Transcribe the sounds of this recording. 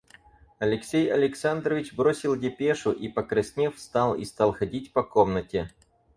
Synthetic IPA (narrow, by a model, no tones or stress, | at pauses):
ɐlʲɪksʲejɐlʲɪksand̪ɾəvʲɪt͡ɕbɾo̞sʲɪlˠdʲɪpʲeʂʊʔipəkɾɐsʲnʲefst̪alˠḭst̪alˠxɐdʲitʲpɐkomnətʲɪ